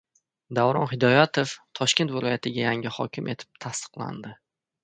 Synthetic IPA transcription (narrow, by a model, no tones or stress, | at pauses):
d̪awɾɒnɦɪd̪ɒjat̪ʰo̞ft̪ʰɒʃkʲe̞nt̪vɪlˠɒjat̪ʰɪɡʲajaŋʲɪhɒkʲʰɪmʔe̞t̪ʰɪ̥p̚t̪ʰast̪ɨ̥qlˠa̰nd̪ɪ